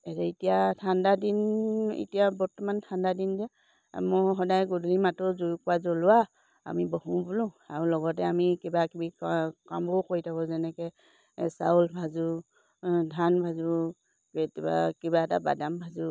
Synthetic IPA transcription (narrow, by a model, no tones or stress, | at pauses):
ɛtɛitijatʰandadinḭtijabɔtɔmantʰandadinda | mɔɦɔdajɡudlimatɔzujkʊazɔlʊwa | a̰mibohũbulʊ̃aɹulɔɡɔt̬ɛamikibakibikkambɔkojtʰakɔzɛnɛkɛ | sa̰ulbʱazu | dʱanbʱazu | bɛtɛba̰kibaɛta̰ba̰dambʱazu